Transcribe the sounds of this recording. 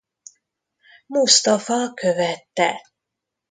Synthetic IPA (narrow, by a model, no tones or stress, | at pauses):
must̪ɒfɒkøvɛt̪ːɛ